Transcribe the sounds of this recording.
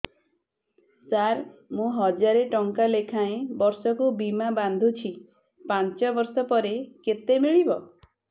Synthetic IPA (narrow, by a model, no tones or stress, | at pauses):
saɾmũɦɔd͡ʒaɾeʈɔŋkalekʰaẽbɔɾsɔkubimaband̪ʱut͡ʃʰi | pant͡ʃɔbɔɾsɔpɔɾeket̪emiɭibɔ